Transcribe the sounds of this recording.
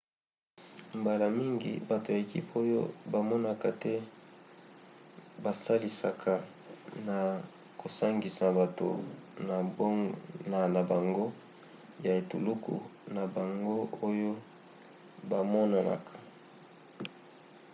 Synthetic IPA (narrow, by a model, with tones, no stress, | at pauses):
mba˨la˨mi˦ŋɡḭ˨ba˨to˨ja˨e˨kḭ˦po˦jo̰˦ba˨mɔ˦na˨ka˨tɛ˦ | ba˨sa˦li˨sa˨kʰa˨ | na˨ | ko˨sa˦ŋɡi˨sa˨ba˨to̰˨na˨˦na˨na˨ba˨ŋɡo˦ | ja˨e˨tu˨lu˦kṵ˨na˨ba˨ŋɡo˦o˦jo˦ | ba˨mɔ˦na˨na̰˨kʰḁ˨